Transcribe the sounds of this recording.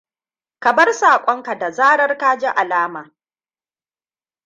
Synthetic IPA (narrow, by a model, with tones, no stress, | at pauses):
kɐ˨bɐ˦rsaː˨kʷʼɔ˦ŋka˨da˨zaː˦ɽɐ˦rkaː˦d͡ʒɛ˦ʔa˨laː˦maː˨